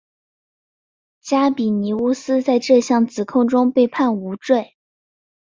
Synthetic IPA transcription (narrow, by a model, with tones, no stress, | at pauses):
t͡ɕja˥pi˨˩ni˧˥u˥sɹ̩˥t͡sa˥˧ɪʈ͡ʂɤ˥˧ɕjɑ˥˩ŋt͡sɹ̩˨˩kʰʊ˥˩ŋʈ͡ʂʊ˥ŋpe˥˧ɪpʰa˥˩nu˧˥ʈ͡ʂwe˥˩ɪ